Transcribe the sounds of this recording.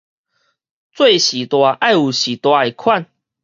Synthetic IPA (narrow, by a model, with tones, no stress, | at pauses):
t͡swe˥˧˨ɕi˨˩t̪wa˧ʔa˥˨ju˨˩ɕi˨˩t̪wa˧e˨˩kʰwa˥˨n